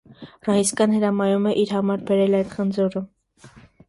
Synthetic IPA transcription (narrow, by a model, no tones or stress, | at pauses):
rɑhiskɑnhəɾɑmɑjumɛʔiɾɦɑmɑɾbɛɾɛlɑjt̪χənd͡zɔɾə